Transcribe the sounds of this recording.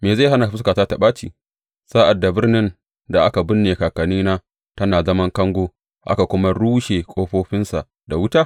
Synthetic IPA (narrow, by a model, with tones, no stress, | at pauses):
meː˨za˦˨ɦa˦na˨ɸɪ˦skaː˨taː˦ta˨ɓaː˦t͡ʃḭː˨ | saː˦ʔa˨dːa˨bɪ˦rnɪ˦n | da˨ʔa˦ka˨bʊ˦nːeː˨kaː˨kɐ˨niː˦naː˦ | ta˦naː˨zɐ˦mɐ˦ŋkɐ˦ŋɡʷoː˦ | ʔa̰˦ka˨kʷʊ˦ma˦ɽuː˦ʃeː˨kʷʼoː˦ɸoː˦ɸɪ˦nsa˨ʔ | da˨wʊ˦taː˦